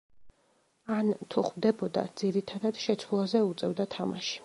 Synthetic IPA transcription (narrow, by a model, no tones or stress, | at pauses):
ant̪ʰuχmd̪ɛbɔd̪a̰d̪z̥iɾit̪ʰad̪ad̪̥ʃɛt̪sʰwulˠazɛut̪sʼɛvd̪at̪ʰama̰ʃi̥